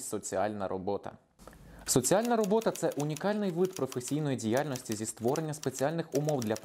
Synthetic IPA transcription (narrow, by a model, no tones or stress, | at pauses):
sɔt͡sʲiɑ̰lʲnɐ̰ɾɔbɔt̪ɐ̰ | sɔt͡sʲiɑlʲnɐɾɔbɔt̪ɐt̪sɛʔʊnʲikɑlʲnɪjʋɪd̪pɾɔfesʲijnɔjidʲijɑlʲnɔsʲtʲizʲist̪ʋɔɾenʲːɐspet͡sʲialʲnɪxʊmɔwd̪lʲɐp